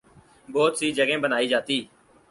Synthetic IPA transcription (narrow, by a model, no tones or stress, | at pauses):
bɔːt̪siːd͡ʒəɡẽːbənaːiːd͡ʒaːt̪iː